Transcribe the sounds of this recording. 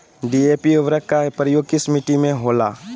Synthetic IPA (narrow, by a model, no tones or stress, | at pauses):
ɖiːeːpiʊʋɾəkːapɾəjoːɡ̚kɪsmiʈimẽɦoːla̰ː